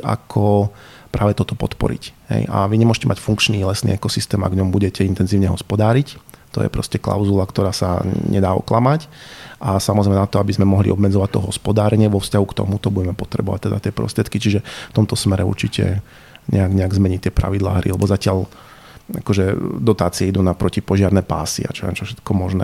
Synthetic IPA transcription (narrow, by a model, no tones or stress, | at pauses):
a̰kʰɔ | pɾʔaːʋɛt̪ɔt̪ɔpɔt̪pɔ̰ɾḭcɦɛ̰ja̰ʋiɲɛmʊɔʒɛcɛmʔacfuŋkt͡ʃniːlɛsnḭːɛkɔsist̪ɛːma̰ɡvɲɔmbuɟɛcɛint̪ɛnziːʊɲɛɦɔspɔd̪aːɾict̪ɔ̰jɛ̰pɾɔ̰scɛkla̰ʊzulakt̪ɔɾaːsaɲʔɛ̰d̪aːɔ̰klamacʔasamɔzɾɛɪmɛnat̪ɔabizmɛmɔɦlḭʔɔbmɛd͡zɔʋac̚t̪ɔɦɔspɔd̪aːɾɛɲɪɛʋɔfscaɦukt̪ɔ̰mut̪ɔbuɟɛmɛpɔt̪ɾɛ̰bɔʋac̚t̪ɛd̪a̰t̪ɪɛpɾɔ̰st̪ɾɪɛt̪kit͡ʃiʒɛft̪ɔmt̪ɔsmɛɾɛṵɾt͡ʃicʰɛ̰ | ɲɛaɡɲɛaɡzmɛɲict̪ɪɛpɾa̰ʋid̪la̰ːɦɾḭlɛbɔzacɪaʎ | akɔʒɛd̪ɔt̪aːt͡siɛid̪unapɾɔcipɔʒɪaɾnɛpa̰ːsḭa̰t͡ʃɔlɛ̰nt͡ʃɔfʃɛt̪̚kɔmɔʒnɛ̰ː